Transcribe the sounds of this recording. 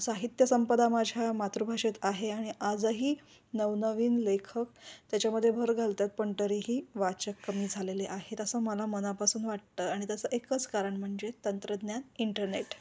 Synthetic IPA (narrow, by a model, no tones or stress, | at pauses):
saɦit̪jəsəmpəd̪amad͡ʑʱjamat̪ɾubʱaʂet̪aɦeaɽ̃iʔad͡zəɦiː | nəʋnəʋiːnlekʰəkt̪jat͡ɕjaməd̪ʱjebʱəɾɡʱalt̪jat̪̚pəɳʈəɾiːɦiːʋat͡ɕəkːəmiːd͡zʱaleleʔaɦet̪əsəːməlamənapasuːnʋaʈ̚t̪əːaɽ̃it̪jat͡səːʔekət͡skaɾəɳm̤əɳd͡zet̪ənt̪ɾəd̪njaniɳʈəɾneʈ